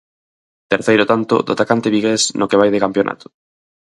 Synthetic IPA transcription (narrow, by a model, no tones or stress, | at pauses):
t̪eɾθejɾʊot̪ant̪o̰d̪oa̰t̪akant̪eβiɣesnokeβ̞ajðekampjonʔa̰t̪ʊ̥